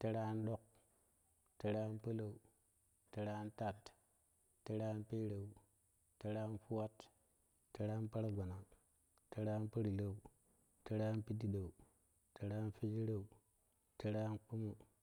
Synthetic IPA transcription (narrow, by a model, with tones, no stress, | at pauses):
ti˦ɾa˦nɗo˦k̚ | ti˨ɾa˦npə˦la˨u˨ | ti˦ɾa˦nta˦˨t | ti˦ɾa˦npe˦ɾa˨u˨ | ti˦ɾa˦nfu˦wa˦t | ti˦ɾa˦npa˦ɾa˦ɡa˨na˨ | ti˦ɾa˦npə˦ɾi˨la˨u˨ | ti˦ɾa˦npi˦di˦da˨u˨ | ti˦ɾa˦n˦fi˦d͡ʒi˦ɾa˨u˨ | ti˦ɾa˦nk͡pu˦mu˦